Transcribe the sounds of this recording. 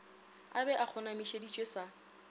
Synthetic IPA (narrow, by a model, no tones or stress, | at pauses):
abɛʔak͡xʰʊnamiʃedit͡ʃʼwesa